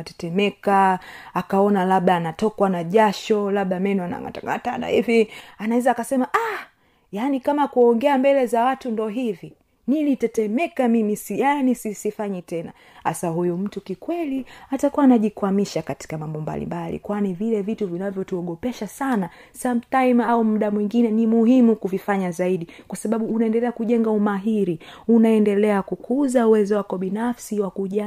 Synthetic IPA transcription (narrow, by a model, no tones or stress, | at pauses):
tɛtɛmɛkaakaɔnalaɓaːnatɔkwanaʄaʃɔlaɓamɛnuana̰ŋa̰ta̰ŋɡa̰tana̰hivianaɛzaːkasɛmaʔa | janikamakuɔŋɡɛambɛlɛzawatundɔɦivi | nilitɛtɛmɛkamimisijanisisifaɲɛtɛna̰ | ha̰saɦujum̩tukikwɛliatakuwanaʄikwamiʃakati̥kamambɔmba̰lḭmbalḭkwanivilɛvituvinavjɔtuɔɠɔpɛʃasana | samtaimaum̩ɗamwiŋɡinɛnimuhimukuvifaɲazaiɗikwasaɓaɓuːnaɛndɛlɛakuʄɛŋɡaumaɦiɾiunaɛndɛlɛakukʰuzauwɛzɔwakɔɓinafsiwakuʄa